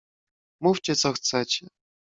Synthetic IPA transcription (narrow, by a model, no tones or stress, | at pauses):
muft͡ɕɛt̪sɔxt̪sɛt͡ɕɛ